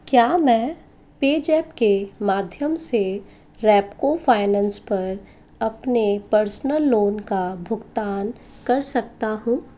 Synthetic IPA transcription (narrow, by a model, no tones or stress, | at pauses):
kjaːmɛ̃ː | peːd͡ʒɛːpkemaːd̪ʱjəmse | ɾɛːpkofʰaːɪnɛ̃ːnspɐɾ | ɐpnepɐɾsnəlːoːnkabʱʊɡt̪aːn | kɐɾsɐk̚t̪aɦũː